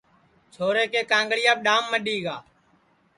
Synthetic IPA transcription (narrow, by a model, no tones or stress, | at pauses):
t͡ʃʰoːɾeːkeːkãːŋɡɭɪjaːɓɗaːmːəɗiːɡaː